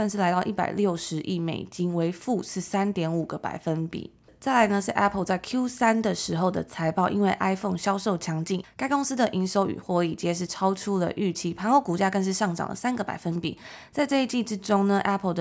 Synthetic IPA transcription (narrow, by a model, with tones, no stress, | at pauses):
ə˥˧nʂ̬ɻ̩˥˩la˧˥ɪt̪ɑ˥˧ʊʔi˥˩pa̰˨˩ɪljo˥˩ʊʂɻ̩˧˥ʔi˥˩mḛ˨˩ɪt͡ɕi˥nwe˧˥ɪfu˥˧ʂɻ̩˥˩sa˥nt̪jɛ˧˥nu˨˩ɡə˦pa̰˨˩ɪfə˦npḭ˨˩˦ | t͡sa˥˩ɪla˨˧˥ɪnə˧ʂɻ̩˥˩ʔɛ˥pʰə˥˧ʊt͡sa˥˩ɪkʰju˥sa˥nd̪ə˨ʂɻ̩˧˥xo˥˧ʊd̪ə̰˩t͡sʰa˧˥ɪpɑ˥˩ʊʔḭ˥nwe˥˩ɪʔa˥ɪfo˥˩ŋɕjɑ˥ʊʂo˥˩ʊt͡ɕʰjɑ˧˥ŋt͡ɕi˥˨˩nka˥ɪkʊ˥ŋs̩˥d̪ə˨ʔi˧˥nʂo˧˥ʊy̰˨˩xwɔ˧˥i˨˩t͡ɕjɛ˥ʂ̬ɻ̩˥˩ʈ͡ʂʰɑ˥ʊʈ͡ʂʰu˥lə̰˨ʔy˥˩t͡ɕʰi˧˥pʰa˧˥nwɔ˧˥ku˨˩t͡ɕja˥kə˧nʂ̬ɻ̩˥˧ʂɑ˥˩ŋʈ͡ʂɑ̰˨˩ŋd̪ə̰˩sa˥nɡə˨pa˨˩ɪfə˦˥npḭ˨˩˦t͡sa˥˧ɪʈ͡ʂɤ˥˧i˥t͡ɕi˥˧ʈ͡ʂɻ̩˥ʈ͡ʂo˥ŋnə˨ʔɛ˥pʰə˨˩d̪ə˩